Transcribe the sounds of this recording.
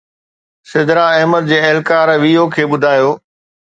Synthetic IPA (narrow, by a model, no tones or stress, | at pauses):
sɪd̪ɾaɐɦməd̪̚d͡ʑeːɐɦɪlkaːɾʋiːokʰeːɓʊd̪ʱaːjoː